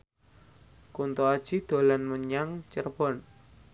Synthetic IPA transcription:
kunt̪uad̥ʒ̥id̪̥o̤lanməɲaŋt͡ʃərb̥ɔn

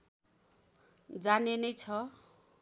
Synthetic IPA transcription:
d͡zanenʌjt͡sʰʌ

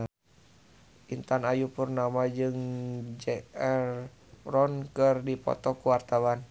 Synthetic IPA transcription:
int̪anajupurnamad͡ʒɨŋd͡ʒɛɛr | rɔnkɨrdipɔ̰t̪ɔkuwart̪awan

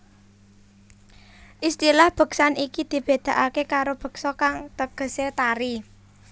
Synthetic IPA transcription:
ʔist̪ilahb̥ə̤ksanikid̪̥i̤b̥e̤d̪̥a̤ʔakekaɾob̥ə̤ksɔkaŋt̪əɡ̥ə̤set̪aɾi

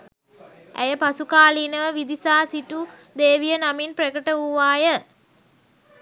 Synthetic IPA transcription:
æ̰jəpasukaːliːnəʋəʋid̪isaːsiʈu | d̪eːʋijənaminprəkəʈəʋuʋaːjə

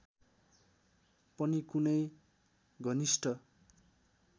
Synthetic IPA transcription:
pʌnikunʌj | ɡʌnisʈʰʌ

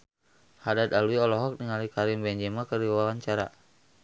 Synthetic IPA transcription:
hadat̪aluiɔlɔɦɔk̚niŋalikaɾimbɛɲd͡ʒɛmakəɾiwawaɲt͡ʃaɾa̰

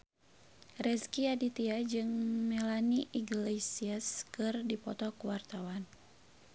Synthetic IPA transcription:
rɛskiadit̪iad͡ʒɨŋmɛlaniʔiɡlesiaskɨrdipɔt̪ɔkuwart̪awan

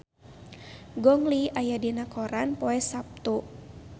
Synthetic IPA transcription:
ɡɔŋliajadinakʰɔɾanpɔɛsap̚t̪u

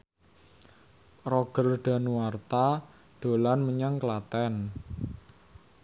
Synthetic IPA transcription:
rɔɡ̥ə̤rɖ̪̥a̤nuwart̪a | ɖ̪̥o̤lanməɲaŋkəlat̪ɛn

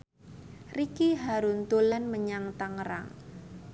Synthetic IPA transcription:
rikiɦaɾunt̪ulanməɲaŋt̪aŋɾa̰ŋ

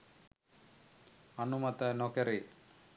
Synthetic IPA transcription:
ɐnumɐt̪ɐnokeɾi

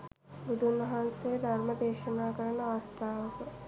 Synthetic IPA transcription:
bud̪ʱunɐɦansed̪ʱɐɾmɐd̪eːʃɐnaːkɐɾɐɳɐaːst̪ʰaːʋɐkɐ

